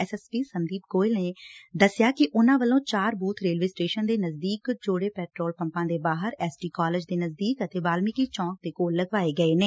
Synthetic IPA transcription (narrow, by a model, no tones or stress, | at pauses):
ɛsɛːspiːsənd̪iːp̚ɡoːɪlneːd̪əsɪjaːkɪʔʊnãːʋəlːõːt͡ʃaːɾbuːt̪ʰɾeːlʋeːsʈeːʃənd̪eːnəzd̪iːkd͡ʒoːɽeːpɛːʈɾoːlpə̃mpãːd̪eːbaːɦəɾɛːsʈiːkɔːləd͡ʒd̪eːnəzd̪iːkət̪eːbaːlmɪkiːt͡ʃɔ̃ːk̚d̪eːkoːlːəɡʋaːeːɡəeːneː